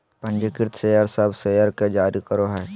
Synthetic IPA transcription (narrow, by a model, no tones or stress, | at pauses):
pə̃nd͡ʒekɪɾt̪ʰsejəɾsəbʱsejəɾked͡ʒaːɾikəɾoɦɛː